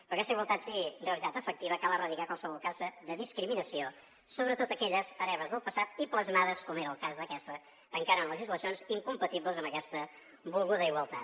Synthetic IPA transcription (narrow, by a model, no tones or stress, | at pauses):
pɾɔkɛst̪əiɣwəlˠt̪at̪siɣinreəlit̪at̪əfək̚t̪iβəkalˠərəðikakwalˠsəβɔlˠkazəðəðiskɾiminəsio | soβɾət̪ot̪əkɛʎəzəɾɛβəzðəlˠpəsat̪ipləzmaðəskɔmeɾəːlˠkazðəkɛst̪ə | t̪əŋkaɾəələʒizləsionziŋkumpət̪iβləzəmbəkɛst̪ə | bulˠɣuðəiɣwəlˠt̪a̰t̪